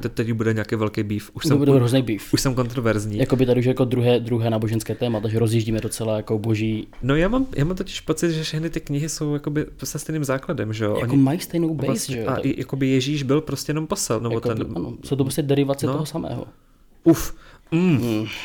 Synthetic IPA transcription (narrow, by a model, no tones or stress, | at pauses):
t̪ɛt̪ɛcbudɛɲaaːkejvɛlkejbiːfʔuʃssɛd̪buɦoznɛjbifuʃsɛmko̞nt̪ɾovɛɾzɲiːjakobɪt̪adɪuʃɛjakod̪ɾuɦɛːd̪ɾuɦɛːnaːboʒɛnskɛːt̪ɛːmat̪aʒɛɾozjiʒɟiːmɛdot͡sɛlajakoboʒiːno̞jaːmamjʔa̰ːmamt̪ocɪ̥ʃpo̞t͡sɪd̪ʒɛfʃɛxnɪt̪ɪkɲɪɦɪso̞wjakobɪsɛst̪ɛjniːmzaːkladɛmʒɛjoʔoɲɪmajist̪ɛjnowbɛaʒɛaʔɪja̰ko̞bɪjɛʒiːʒbɪlpɾoscʲɛjɛnomposɛlnɛbot̪ɛnanosowt̪opɾoscɛdɛɾɪvat͡sɛnoɦosamɛ̰ːɦo̰ | ufm̩ː